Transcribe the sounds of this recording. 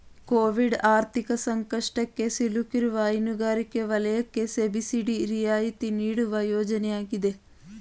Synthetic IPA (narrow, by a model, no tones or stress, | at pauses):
koːʋiɖaːɾt̪ʰikɐsɐŋkɐʂʈɐkːe̞silukiɾuʋɐːjnuɡaːɾikːe̞ʋɐlɐjɐkːe̞sebisiɖiɾijaːjit̪iniːɽuʋɐjoːd͡ʒɐnɛjaːɡid̪e